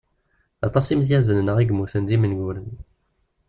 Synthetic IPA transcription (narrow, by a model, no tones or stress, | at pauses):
ɑt̪ˤɑsimθjæzənnəʁiɡmuθənd̪imənɡuɾən